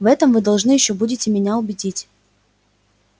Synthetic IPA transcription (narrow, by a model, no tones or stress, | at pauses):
vɛt̪əmvɨd̪ɐlˠʐnɨjɪɕːobudʲɪtʲɪmʲɪnʲaʊbʲɪdʲitʲ